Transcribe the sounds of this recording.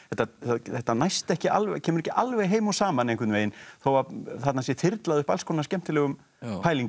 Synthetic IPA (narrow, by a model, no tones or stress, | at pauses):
θɛht̪ːaaθɛht̪ːanajst̪ɛhcɪa̰lvcʰɛːmʏɾɛhcɪʔalvɛjɦeːjmawsaːmanejŋkvɪt̪nveːjɪnθowaθat̪nasjɛt̪ʰɪɾt̪laðʏhpalskownascɛm̥t̪ɪlɛɣʏm | paːjliŋc